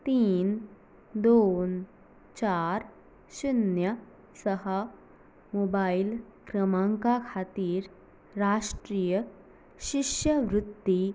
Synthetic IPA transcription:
t̪iːn | d̪on | t͡ɕaɾ | ɕinjə | səɦə | mobailkɾəmãŋkakʰat̪iːɾ | ɾaʂʈɾiːjə | ɕiʂjəʋɾut̪ːi

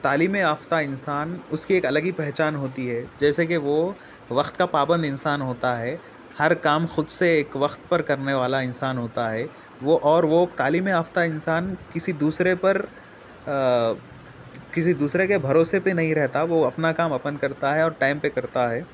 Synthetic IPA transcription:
t̪aːliːmẽaːft̪aɪnsaːnʊskieːkɐləɡipɛɦt͡ʃaːnɦoːt̪iɦɛd͡ʒɛːsekeʋo | ʋɐxt̪kapaːbə̃nd̪ɪ̃nsaːnɦoːt̪aɦɛː | hɐɾkaːmxʊd̪seeːkʋɐxt̪pɐɾkɐɾneʋaːlaɪnsaːnɦoːt̪aɦɛ | ʋoʔɔːɾʋokt̪aːliːmẽaːft̪aɪ̃nsaːnkɪsid̪uːsɾepɐɾ | kɪsid̪uːsɾekebʱɐɾoːsepenɐɦĩɾɛɦt̪aʋoɐpnakaːmɐpənkɐɾt̪aɦɛɔːɾʈaːɪmpekɐɾt̪aɦɛː

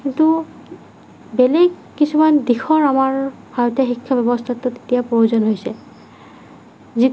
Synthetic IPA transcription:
kintu | belɛɡːisumandixʰɔɹamaɹ | bʱaɹɔtjaxikʰːabɛbɔstʰatʊte̥tijapouzɔnɦojsɛ | zi

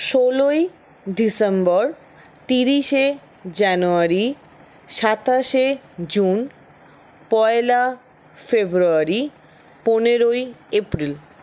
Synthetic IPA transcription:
ʃoloj | ɖisembɔɾ | t̪iɾiʃe | d͡ʑanuaɾi | ʃat̪aʃed͡ʑun | pɔela | febɾuaɾi | poneɾojepɾil

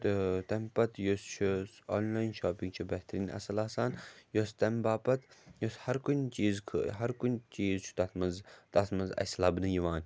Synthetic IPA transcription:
t̪t̪ɐmpɐt̪jost͡ʃʰosoːnlaːjnʃoːpiŋɡt͡ʃʰubɐht̪ɐɾiːnʔɐ̰sɐlaːsaːnjost̪ɐmbaːpɐt̪joshɐɾkunʲt͡ʃiːzkʰɦɐɾkunʲt͡ʃiːzt͡ʃʰu̥t̪ɐt̪ʰmɐnzt̪ɐt̪mɐzɐ̰slɐbnɨjiʋaːn

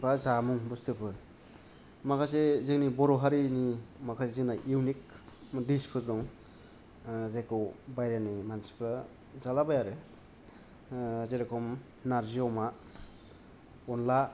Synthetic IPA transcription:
bazamuŋbustʰɯpʰɯɾ | makʰas̬ezɯŋnibɔɾɔɦaɾinimakʰasezɯŋnajiwnikmdispʰɯɾdɔŋ | zekʰɯwbajɾanimansi̥pʰɯ | zalabajaɾɯ | zeɾakʰɔm | naɾziɔma | ɔnla

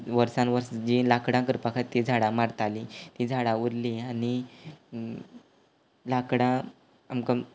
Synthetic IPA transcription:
ʋəɾsãnʋəɾsd͡ʑilakɽãkəɾpakʰat̪ːid͡zʱaɽãmaɾt̪alit̪id͡zʱaɽauɾliani | lakɽã | amka

